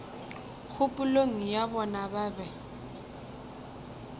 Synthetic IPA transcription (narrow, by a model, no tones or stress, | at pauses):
k͡xʰʊpʼʊloŋ̩jabɔnababɛ